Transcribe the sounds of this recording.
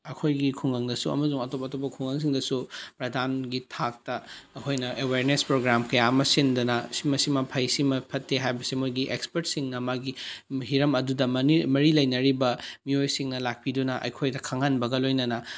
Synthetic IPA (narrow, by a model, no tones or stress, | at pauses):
ɐkʰojɡikʰuŋɡɐŋdɐsuɐ̰mɐzuŋɐtopɐtopːɐkʰuŋɡɐŋs̬iŋdɐsupɾɐdʱanɡitʰak̚tɐːkʰojnɐʔeweɾnespɾoɡɾamkɐjaɐmɐsindɐnɐsimɐsimɐpʰɐjsimɐpʰɐtʰːeɦajbɐsimojɡiʔḛkspeɾtsiŋnɐmaɡiɦiɾɐmɐdudɐmɐimɐɾilɐjnɐɾibɐmiojsiŋnɐlak̚pidunɐʔɐ̰jkʰojdɐkʰaŋanbɐɡɐlojnɐnɐ